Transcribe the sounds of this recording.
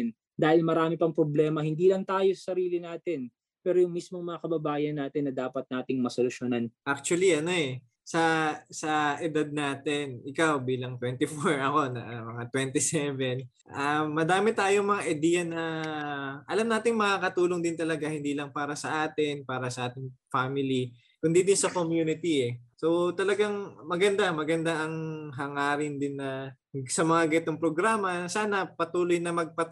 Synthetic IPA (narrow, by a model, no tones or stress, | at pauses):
n | d̪aːhɪlmɐɾaːmɪpɐŋpɾoblɛːmɐhɪnd̪iːlɐŋt̪aːjosɐ̥sɐɾiːlɪnaːt̪ɪn | pɛːɾojʊŋmismoŋmɐŋakɐbɐbaːjɐnːaːt̪ɪnːɐd̪aːpɐt̪̚naːt̪ɪŋmɐsolʊʃjonanʔak̚t͡ʃʊwɐliʔɐno̞ɛ | sɐsɐʔɛd̪ad̪̚naːt̪ɪnɪkawbiːlɐŋt̪wɛnt̪ɪfoɹɐko̞nɐ̰mɐŋat̪wɛnt̪ɪsɛvɛn | ʔaːɐd̪aːmɪt̪aːjoŋmɐŋaʔɐjd̪ijɐnɐ | ʔɐlɐmnaːt̪ɪŋmɐŋakɐt̪uːlo̞ŋd̪ɪnt̪ɐlɐɡahɪnd̪iːlɐŋpaːɾɐsɐʔaːt̪ɪnpaːɾɐsɐʔaːt̪ɪŋfaːmɪli | kʊnd̪id̪ɪnsɐkomjuːnɪt̪iɛso̞t̪ɐlɐɡaŋmɐɡɐnd̪amɐɡɐnd̪aʔɐŋɦɐŋaːɾɪnd̪ɪnːɐ | sɐmɐŋaɡɛt̪oŋpɾoɡɾaːmɐsaːnɐpɐt̪uːlojnɐmɐɡ̚pɐ